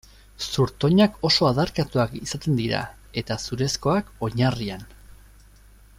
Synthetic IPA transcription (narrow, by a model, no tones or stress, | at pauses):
suɾt̪o̞ɲako̞so̞aðaɾkat̪uakisat̪e̞nd̪iɾa̰ | e̞t̪asuɾe̞sko̞ako̞ɲarian